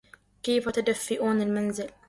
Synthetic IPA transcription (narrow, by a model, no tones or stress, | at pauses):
keːfat̪ad̪afːɪʔuːnɪlmanzɪl